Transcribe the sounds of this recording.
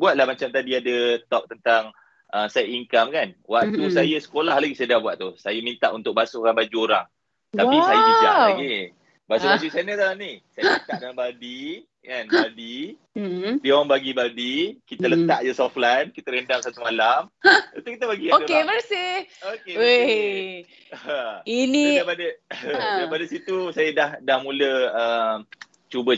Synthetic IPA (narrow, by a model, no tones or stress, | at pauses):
buat̪̚lahmat͡ʃamt̪adiadət̪ɔp̚t̪ənt̪aŋ | ʔəsajaiŋkamkanwak̚t̪usajəsə̥kolahlaɡisajədahbuaʔ̪̚t̪usajamint̪a̰ʔunt̪ʊk̚basukanbad͡ʒuoɾa̰ŋ | t̪apisajid͡ʒaaɡi | basubad͡ʒusajnət̪alanisajəlt̪aʔdalanbadi | kanbadi | diowaŋbaɡibadikit̪ələt̪aʔdəsɔflajnkit̪əɾəndaŋsat̪umalamut̪ukit̪̬əbaɡiaodəkeməsɪhokee | əinidajpadədajpadasit̪usajadahdahmũləəm | t͡ʃubə